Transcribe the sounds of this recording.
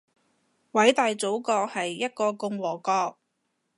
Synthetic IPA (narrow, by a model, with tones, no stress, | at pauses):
wɐ˨˥jt̪aː˨jt͡so˨˥wkɔː˧hɐ˨jːɐ˥t̚kɔː˧kʊ˧ŋwɔː˨˩kɔː˧k̚